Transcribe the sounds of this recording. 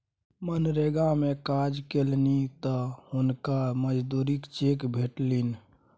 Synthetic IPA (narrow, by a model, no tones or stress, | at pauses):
mənɾeɡamekad͡ʒkelnit̪ɔhʊnkaməd͡ʒd̪uːɾikt͡ʃekbʱeʈlin